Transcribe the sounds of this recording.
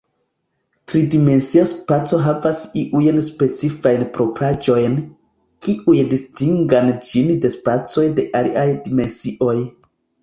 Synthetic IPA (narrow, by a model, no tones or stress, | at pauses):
tɾidime̞nsiaspat͡so̞ɦavasiʔujnspe̞t͡sifajnpɾo̞pɾad͡ʒo̞jn | kiʔujdistiŋɡand͡ʒinde̞spat͡so̞jde̞ʔaliʔajdime̞nsiʔo̞j